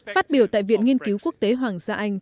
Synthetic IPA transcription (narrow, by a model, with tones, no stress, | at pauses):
faː˦˥t̚ɓi˧˩əwt̪a̰ː˧˨jvḭ˧˨ənŋi˧ənki˨˦wku˦˥ək̚t̪e˨˦ɦwaː˨˩ŋsaː˧ʔa˧jŋ̟